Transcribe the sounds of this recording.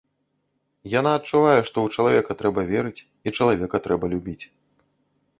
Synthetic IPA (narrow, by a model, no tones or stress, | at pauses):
janaɐt̚t͡ʂːuvajɛʂt̪ɔwt͡ʂɐlˠavʲɛkɐt̪ɾɛbɐvʲɛɾɨt͡sʲ | it͡ʂɐlˠavʲɛkɐt̪ɾɛbɐlʲubʲit͡sʲ